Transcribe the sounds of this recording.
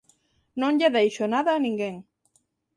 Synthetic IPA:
nõŋʎeðejʃonaðaːnĩŋɡeŋ

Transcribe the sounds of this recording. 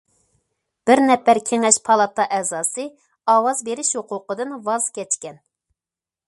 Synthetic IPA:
b̥ɪɾnɛpːæɾkʲʰeŋɛʃpʰɑlˠɑt̪ɑʔɛzɑːsɨ | ɑːwɑzbeɾɪʃhoqʰʊqəd̪ɨnwɑz̥kʲʰɛt͡ʃkʲɛn

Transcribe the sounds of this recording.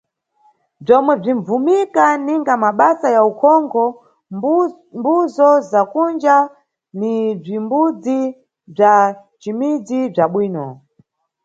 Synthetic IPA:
b͡ʐɔmwɛb͡ʐiɱb͡vumikaniŋɡamaɓasajaukʰɔŋɡʰɔ | mbuzɔzakund͡ʒa | nib͡ʐimbud͡zi | b͡ʐa | t͡ʃimid͡zib͡ʐaɓwiːnɔ

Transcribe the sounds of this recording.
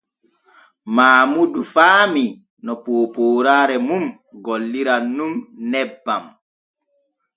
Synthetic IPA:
maːmudufaːmi | nɔpoːpoːɾaːɾɛmum | ɡɔlːiɾanːumnɛbːam

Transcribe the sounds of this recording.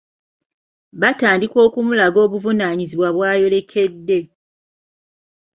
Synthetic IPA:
βataːndikwo̞ːkumulaɡo̞ːβuvunaːɲiziβwaβwaːjo̞le̞kʰe̞dːe̞

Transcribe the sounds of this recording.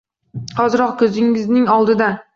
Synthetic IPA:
qɒzɪɾɒqkʲʰɵzɪŋɪznɪŋɒlˠd̪ɪd̪a

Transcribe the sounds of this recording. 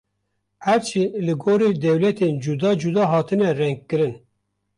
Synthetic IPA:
hæɾt͡ʃʰilɨɡoːɾeːd̪ɛwlɛt̪ʰeːnd͡ʒud̪ɑːd͡ʒud̪ɑːɦɑːt̪ʰɨnɛrɛŋɡ̚kːɨɾɨn

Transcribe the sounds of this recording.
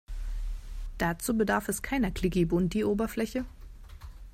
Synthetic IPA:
d̥at͡suːbədaɐfɛskʰaɪnɐkʰl̥ɪɡebʊnt̚d̥iːʔoːbɐflɛçə

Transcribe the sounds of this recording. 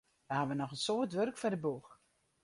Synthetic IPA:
ʋəhaʋənɔxənsoːtʋørkfɔdəbux

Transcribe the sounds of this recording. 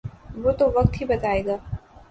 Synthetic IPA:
ʋot̪oʋɐk̚t̪ɦibɐt̪aːeːɡaː

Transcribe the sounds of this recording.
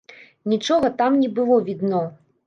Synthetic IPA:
nʲit͡ʂɔɣɐt̪amnʲɛbɨlˠɔvʲid̪nɔ

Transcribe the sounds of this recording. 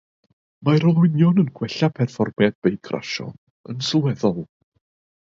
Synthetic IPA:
maɾɔlˠwɪnjɔnənɡwɛɬapʰɛrfɔrmjad̚b̥ejkʰrʔa̰ʃɔ̰ | ənsɔlˠwɛðɔlˠ

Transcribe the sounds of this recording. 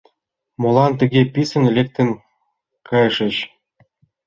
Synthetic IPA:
molˠɑnt̪ɘ̆ɡʲepʲisɘ̆nelʲek̚t̪ɘ̆nʲ | kɤjɤʂɘ̆ɕ

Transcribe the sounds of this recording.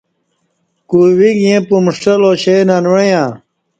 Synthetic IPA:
kuwiɡjẽpumʂʈɐloɕenanwejã

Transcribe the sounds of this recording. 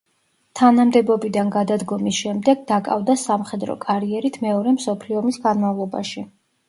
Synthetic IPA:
t̪ʰanamd̪ɛbɔbid̪anɡad̪ad̪ɡɔmisʃɛmd̪ɛɡd̪akʼa̰vd̪asamχɛd̪ɾɔ̰kʼaɾiɛɾit̪ʰmɛɔɾɛmsɔpʰliɔmisɡanmavlˠɔba̰ʃi

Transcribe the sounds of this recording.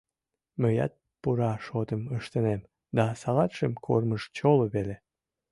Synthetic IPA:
məjɑ̰t̪̚ | puɾɑʃot̪əməʃt̪ənem | d̪ɑsɑlɑt̪ʃəmkʰorməʃt͡ɕoloβele

